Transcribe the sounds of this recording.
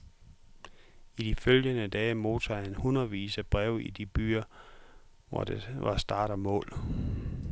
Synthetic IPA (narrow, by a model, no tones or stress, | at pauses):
id̥iføljənəd̥ɛːɪmo̝̰ːt͡sʰɒhænhunɐð̩ˠʋḭːsæb̥ʁɛʊid̥ib̥y̰ːɐ | ʋɒ̰d̥eʋɑ̈sd̥ɑ̈ːɾ̥ɐmɔ̰̽ːl